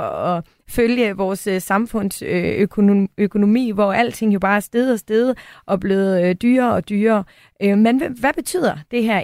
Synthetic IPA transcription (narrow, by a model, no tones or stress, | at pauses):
ɒ̽ | føljəʋɒːssɑ̈mfɔ̽n̰søøkʰøkʰo̝no̝mḭːʋɒæl̰̥t͡sʰe̝ŋ̰jo̝b̥ɑ̈ːæɐsd̥eːð̩ˠɒ̽sd̥eːð̞̩ˠʔɒ̽b̥le̝ːð̩ˠd̥yːɐɒ̽d̥yːɐː | ømenʋæb̥e̝t͡sʰy̰ð̰ˠɐd̥e̝ɦæɐ̰